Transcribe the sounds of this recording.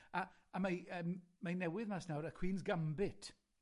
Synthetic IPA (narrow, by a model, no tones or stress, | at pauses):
aːmaəːmːanɛwɪðmasnawɾakʰw̥iːnsɡambɪtʰ